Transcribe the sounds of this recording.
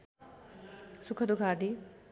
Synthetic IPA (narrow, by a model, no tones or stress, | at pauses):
sukʰəd̪uɡʱad̪i